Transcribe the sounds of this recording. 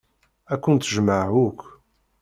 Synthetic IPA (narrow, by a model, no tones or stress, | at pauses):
ækʷːənt̪ːəʒmaʕukʷ